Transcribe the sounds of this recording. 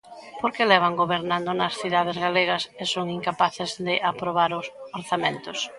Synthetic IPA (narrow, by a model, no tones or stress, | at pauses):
poɾkelɛβ̞aŋɡoβeɾnãnd̪ʊnɐsθiðað̞ɪzɣaleɣɐsesoŋiŋkapaθɪzðɪʔapɾoβ̞aɾʊsoɾθamẽnt̪ʊs